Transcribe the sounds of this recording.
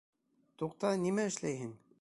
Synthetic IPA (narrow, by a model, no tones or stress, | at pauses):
t̪uqt̪ɑnimæɘ̆ʃlæjɦɘn